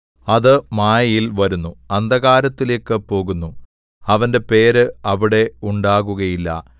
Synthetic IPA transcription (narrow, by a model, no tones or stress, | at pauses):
ɐðɨmaːjɐjilʋɐɾunːuɐnd̪ɐɣaːɾɐt̪ːile̞ːkːɨpo̞ːɣunːu | ɐʋɐnde̞pe̞ːɾɨɐʋiɽe̞uɳɖaːɣuɣɐjilːɐ̰